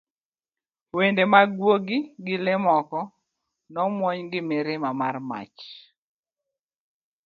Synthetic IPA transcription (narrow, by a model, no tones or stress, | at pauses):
wendemaɡwoɡɪɡɪlemɔkɔ | nɔmwɔɲɡɪmeɾemama̰rma̰t͡ʃ